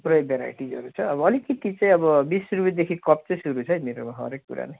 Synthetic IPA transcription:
prʌjbʱeɾa̰jʈid͡zʌ̰ɾut͡sʰʌːbʌʌlikit̪it͡saĩʌbʌbissuɾbit̪̚d̪ekʰikʌp̚t͡sʌj̃suɾut͡sʰʌjmeɾomaɦʌ̰ɾekːṵɾa̰nej

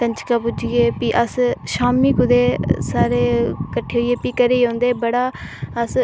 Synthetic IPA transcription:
t̪əɲt͡ʃkaːpʊd͡ʒɪjeːpiːʔəsʃaːmiːkʊd̪eːsaːɾeːkəʈʰːeːɦʊieːpiːkəɾeːõːnd̪eːbəɽaːəs

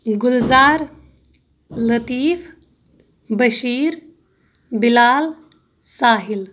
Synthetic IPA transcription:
ɡʊlzaːɾ | lɐt̪iːf | bəʃiːɾ | bilaːl | saːɦil

